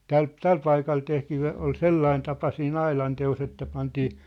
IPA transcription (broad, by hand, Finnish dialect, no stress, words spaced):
tæl tæl pɑikɑl tehtiː o ol selːɑin tɑpɑ siːn ɑilɑnteos etːæ pɑntiː